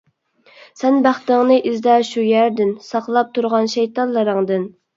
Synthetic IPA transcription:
sɛnbæχt̪ɪŋnɨʔizd̪ɑʃujæɾd̪ɪnsɑqlˠɑp̚t̪ʰuɾʁɑnʃɛjt̪ɑnlˠɨɾɨŋd̪ɨn

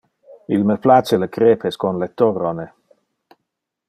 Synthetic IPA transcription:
ilməplat͡sələkʰɾeːpʰeskɔnlet̪ːɔrɔne

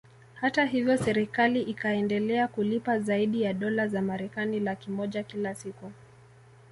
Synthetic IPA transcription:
hataɦivjɔsɛɾikaliʔikaɛndɛlɛakulipazaiɗijaɗɔlazamaɾɛkanilakimɔʄakilasiku

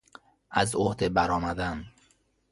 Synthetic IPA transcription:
ʔæzohd̪ebæɾɒːmæd̪æn

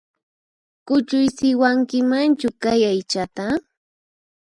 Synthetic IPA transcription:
kʊt͡ʃʊjsɪwaŋkɪmant͡ʃʊkajajt͡ʃat̪a

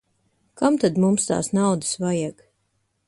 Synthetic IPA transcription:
kamt̪ad̪mumst̪a̰ːsnawd̪ɨ̥svajaɡ

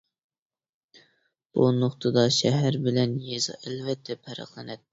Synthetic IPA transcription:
b̥unoχt̪ʰɨd̪ɑʃɛɦæɾbɪlɛnjezɨ̰ʔælvɛt̪ʰːɛpʰæɾə̰qlˠɨnɛt̪̚ː

